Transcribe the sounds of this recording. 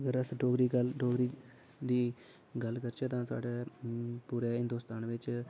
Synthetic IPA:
əɡəɾəsɖoːɡɾiːɡəlɖoːɡɾiː | d̪iː | ɡəlkəɾt͡ʃʰɛːt̪ãːsa̰ːɖeːpuːɾeːɦɪ̃nd̪oːst̪aːnʋɪt͡ʃ

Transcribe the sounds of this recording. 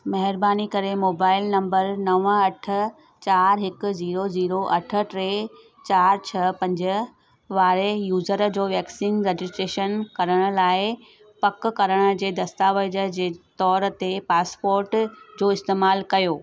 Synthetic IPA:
mɐɦɪɾbaːnikɐɾemoːbaːɪlnɐ̃mbəɾnɐʋəɐʈʰə̆ | t͡ɕaːɾɦɪkʊ̆ziːɾoziːɾoʔɐʈʰə̆ʈɾeː | t͡ɕaːɾt͡ɕʰɐpɐ̃ɲd͡ʑə̆ | ʋaːɾejuːzəɾd͡ʑoːʋɛːksɪŋɡɾed͡ʑɪsʈɾeːʃənkɐɾəɽ̃ʊ̆laːɪ | pɐkkɐɾəɽ̃ʊ̆d͡ʑeːd̪ɐst̪aːʋəd͡ʑəd͡ʑeːt̪ɔːɾt̪epaːspoːɾʈd͡ʑoːɪst̪eːmaːlkɐjoː

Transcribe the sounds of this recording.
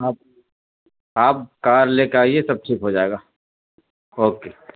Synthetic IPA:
aːp̚ | aːp̚kaːɾleːkaːiesɐb̚ʈʰiːkɦod͡ʒaːeɡaː | oːkeː

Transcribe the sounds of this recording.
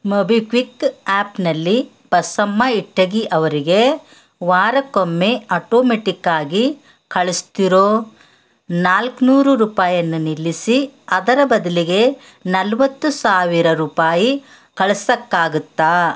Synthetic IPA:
mɐbikʋikaːpnɐlːi | b̥ɐsɐmːɐiʈːɐɡiʔɐʋɐɾiɡe̞ | ʋaːɾɐkomːeɐʈoːmeʈikːaːɡi | kɐɭust̪iɾoː | naːlknuːɾuɾuːpaːjɐnːunilːisiɐd̪ɐɾɐbɐd̪ɐliɡe̞ | nɐlʋɐt̪ːusaːʋiɾɐɾuːpaːji | kɐɭɐsɐkːaːɡut̪ːaː

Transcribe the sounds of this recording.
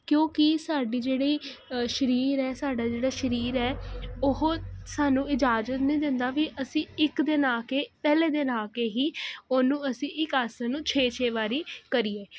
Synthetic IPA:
kjõːkɪsaːɖiːd͡ʒeːɽiːʃəɾiːɾɛːsaːɖaːd͡ʒeːɽaːʃəɾiːɾɛːʊɦosaːnũːɪd͡ʒaːd͡ʒət̪nĩːd̪ɪ̃nd̪aːʋiːʔəsĩːɪkd̪ɪnaːkeːpɛːleːd̪ɪnaːkeːɦiːoːnũːəsĩːʔɪkaːsanũːt͡ʃʰeːt͡ʃʰeːʋaːɾiːkəɾiːeː

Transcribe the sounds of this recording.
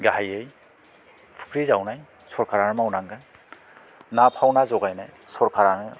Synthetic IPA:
ɡaɦajej | pʰɯ̥kʰɾizawnaj | sɔɾkʰaɾanɯmawnaŋɡɯn | napʰawnazɔɡajnaj | sɔɾkʰaɾanɯ

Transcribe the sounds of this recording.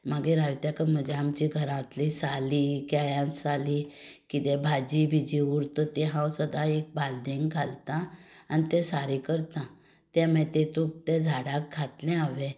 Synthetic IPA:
maɡeɾaʋt̪jakəm̤əd͡ʑeamt͡ɕiɡʱəɾãt̪lisalikajãnsalikit̪ɛ̃bʱad͡ʑibʱid͡ʑiuɾt̪ət̪ɛɦãwsəd̪ʱaek̚bald̪eŋɡɡʱalt̪ãanit̪ɛ̃saɾikəɾt̪ã | t̪ɛ̃mɛ̃t̪ɛt̪uk̚t̪ɛd͡zʱaɽak̚ɡʰʱat̪lɛ̃aʋẽ

